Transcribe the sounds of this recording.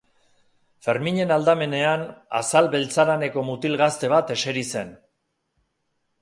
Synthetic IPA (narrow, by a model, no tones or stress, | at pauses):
fe̞ɾmiɲe̞nald̪ame̞ne̞ana̰salβe̞lt͡saɾane̞ko̞mut̪ilɣast̪e̞β̞at̪e̞se̞ɾise̞n